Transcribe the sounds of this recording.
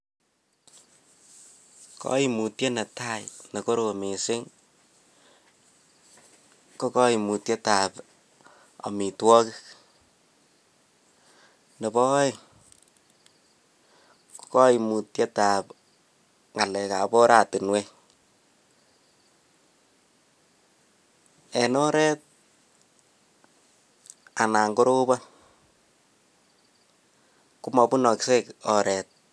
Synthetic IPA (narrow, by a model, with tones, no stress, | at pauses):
kɔ̰˦i˨mu˨tje˦na˨ta˦jnɐ˨ko˦ɾo˨me˨sɪ˦ŋ | ko˦kɔ˦i˨mu˨tje˦ta˨p | a̰˨mi˨twɔ˦ki˦k | ne˨pɔ˦ɪ˨ | ku̥kɔ˦imu˨tje˦tap | ŋa˨lɛka˨bɔ˦ɾati˨nwe˦ | ɛ˨nɔ˦ɾɛ˦t̚ | a˨na˨ŋɡo˦ɾo˦ba˦ | ku˦mɔ˨bu˦nɔ˨kse˦kɔ˨ɾɛ˨t̚